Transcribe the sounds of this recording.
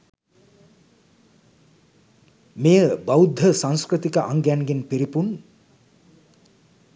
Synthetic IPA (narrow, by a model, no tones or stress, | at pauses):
mejəbawd̪ʱːəsãŋskɾɨt̪ikəʔaŋɡænɡenpiɾipun